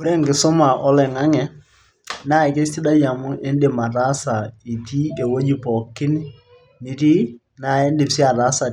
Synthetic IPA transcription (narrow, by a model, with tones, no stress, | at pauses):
u˦ɾe˦ŋkɪ˨sʊ˦ma˨ʔɔ˦lɛ˨ŋa˦ŋɛ˨ | na˦ɪ˨ke˦sti˦da˦ja˨mʊ˦e˦n˦dɪ˦˨ma˨ta˦sa˨i˨ti˦e˨wo˦d͡ʒi˦pɔ˨kːɪ˦n˦ | ni˨ti˦ | na˨e˦n˦dɪ˨psi˦a˨ta˨˦sa˨